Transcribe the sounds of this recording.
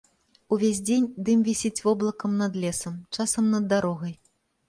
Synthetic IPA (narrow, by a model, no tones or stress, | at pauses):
uvʲezʲd͡zʲenʲd̪ɨmvʲisʲit͡sʲvɔblˠɐkɐmnɐd̪lʲɛsɐmt͡ʂasɐmnɐd̪ːaɾɔɣɐj